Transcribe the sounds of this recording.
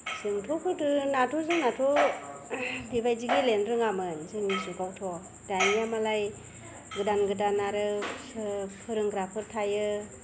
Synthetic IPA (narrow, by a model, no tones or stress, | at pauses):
sɯŋtʰɔkʰɯtɯnatʰɔzɯŋnatʰɔ | dibajziɡilenɾɯŋamɯnzɯŋnisukawtʰɔ | danijamalaj | ɡɯdanɡɯdanaɾɯsɯpʰɯɾɯŋɡɾapʰɯɾtʰajɯ